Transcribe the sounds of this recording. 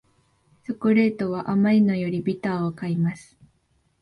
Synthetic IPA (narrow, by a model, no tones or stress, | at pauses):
sokoɾe̞ːt̪o̞βaʔamaɾʲino̞jo̞ɾʲibʲit̪aːokaimasɨ̥